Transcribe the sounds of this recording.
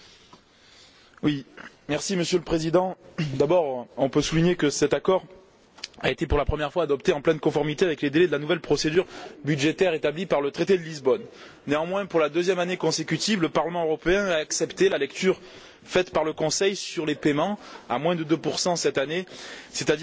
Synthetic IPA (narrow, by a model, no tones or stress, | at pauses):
wi | mɛʁsiməsjøləpχezid̪ɑ̃d̪abɔʁɔ̃pøsuliɲekəsɛt̪akɔʁ | aet̪epuʁlapχəmjɛʁfwaːd̪ɔpt̪eɑ̃plɛ̃nkɔ̃fɔʁmit̪eavɛkled̪elɛd̪əlanuvɛlpχɔsed̪yʁbyd̪ʒet̪ɛʁet̪ablipaʁlət̪χet̪ed̪əlizbɔnː | eɑ̃mwɛ̃puʁlad̪øzjɛmanekɔ̃sekʲyt̪ivləpaʁləmɑ̃øʁɔpeɛ̃aːksɛpt̪elalɛkt̪yʁ | fɛt̪paʁləkɔ̃sɛjsyʁlepemɑ̃a̰mwɛ̃d̪əd̪øpuʁsɑ̃sɛt̪aneset̪ad̪